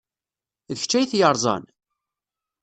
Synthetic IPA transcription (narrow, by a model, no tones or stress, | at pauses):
ðəçt͡ʃːæjθjəɾˤzˤɑ̰n